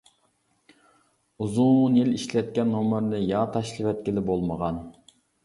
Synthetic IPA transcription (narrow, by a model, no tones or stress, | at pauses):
uzunjiliʃlɛt̪̚kʲɛnomɨɾnɪjɑt̪ʰɑʃlˠɨvɛt̪̚kʲɪlɪbolˠməʁɑn